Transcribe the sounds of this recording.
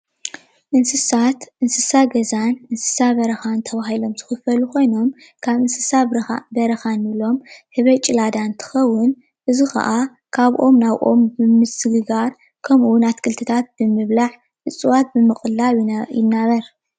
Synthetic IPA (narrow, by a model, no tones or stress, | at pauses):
ʔɨnsɨsat̪ʔɨnsɨsaɡɐzanʔɨnsɨ̥saβɐɾɐxant̪ʰɐβaɦilo̞mzɨxɨfɐlukʰo̞jno̞m | kʰaβɨnsɨsabɐɾɐxanilo̞mhɨβɐt͡ʃʼɪlad̪ant̪ʰɨ̥xɐwːʊn | ʔɨzixɐ̰ʔa | kʰaβʔo̞mnaβʔo̞̰mbɨmɨsɨɡɨɡaɾ | kʰɐmʔuwʊnat̪kʰɨlt̪ʰɨt̪ʰat̪̚b̥ɨmɨβlaħ | ħɨt͡sʼɨwat̪̚bɨmɨxʼɨlaβjɪnːaβɐɾ